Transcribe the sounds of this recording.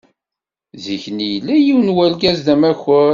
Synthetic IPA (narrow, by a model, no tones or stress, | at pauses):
ziçnijlːæjiwnwælɡæzðæmæçəɾ